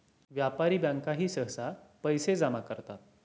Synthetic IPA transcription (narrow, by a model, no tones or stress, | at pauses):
ʋjapaɾiːbaŋkaɦiːsəɦsapəjsed͡zamakəɾt̪at̪̚